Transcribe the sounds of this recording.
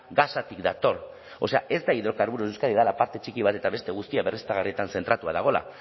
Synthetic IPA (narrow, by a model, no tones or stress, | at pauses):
ɡasat̪ikd̪at̪o̞ɾ | o̞se̞aʔe̞zd̪aiðo̞kaɾβuɾosewskaðiðalapaɾt̪e̞t͡ʃikiβ̞at̪e̞t̪aβe̞st̪e̞ɣ̞ust̪iaβe̞rist̪aɣarie̞t̪anse̞nt̪ɾat̪uaðaɣ̞o̞la̰